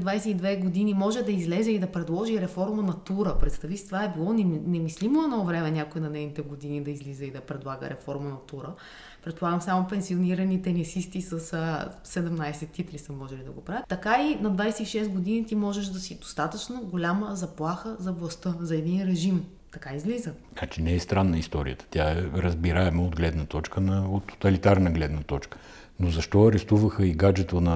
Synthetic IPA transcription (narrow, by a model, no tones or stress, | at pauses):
d̪vajsɛid̪vɛɡod̪inimɔʒɛd̪ɐizlɛzɛid̪ɐpɾɛd̪lˠɔʒiɾɛfɔɾmənɐt̪uɾəpɾɛt̪st̪ɐvist̪ovaɛbilˠɔnɛnɛmislimoɛnɔvɾɛmɛnʲakoɛnɐnɛjnit̪ɛɡod̪inid̪ɐizlizɛid̪ɐpɾɛd̪lˠaɡə̰ɾʔɛ̰fɔɾmənɐt̪uɾə | pɾɛt̪̚polˠaɡəmsamopɛnsioniɾɐnit̪ɛnisist̪isɐssɛd̪ɛmnajsɛt̪ːit̪lisəmːɔʒɛlid̪ɐ̰ɡopɾavət̪ːɐkainɐd̪vajsɛiʃɛst̪ɡod̪init̪imɔʒɛʃd̪ɐsid̪o̥st̪at̪ət͡ʃnɐɡolʲaməzɐplˠaxəzɐvlˠɐst̪əzɐɛd̪inɾɛʒim | t̪ɐkaizlizə | nat͡ʃinɛɛst̪ɾanːəist̪ɔɾḭət̪ə̥t̪jaɛɾəzbiɾaɛmɛod̪ɡlɛd̪nɐt̪ɔt͡ʃkənɐot̪ːo̥t̪ɐlit̪aɾnəɡlɛd̪nɐt̪ɔt͡ʃkə̥ | nozɐʃt̪ɔɐɾɛst̪uvəxəiɡad͡ʒɛt̪onɐ